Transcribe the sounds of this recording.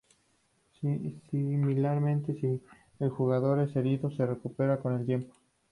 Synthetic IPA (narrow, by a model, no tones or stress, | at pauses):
similaɾmẽ̞nt̪esi | elxuɣaðo̞ɾese̞ɾiðose̞re̞kupe̞ɾako̞ne̞lt̪je̞mpo